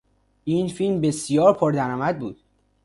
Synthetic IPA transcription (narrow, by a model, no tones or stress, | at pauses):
iːnfilmbe̞sijɒːɾpʰoɾd̪æɾɒːmæd̪̚buːd̪̥̚